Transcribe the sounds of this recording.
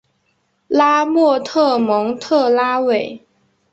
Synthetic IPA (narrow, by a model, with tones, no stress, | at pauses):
la˥mwɔ˥˩t̪ʰɤ˥˩mɤ˧˥ŋt̪ʰɤ˥˩la˥we˨˩˦ɪ